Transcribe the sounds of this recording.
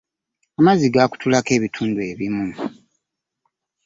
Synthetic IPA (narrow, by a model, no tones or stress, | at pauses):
amaziɡaku̥tʰulake̞ːβitʰuːndue̞βimu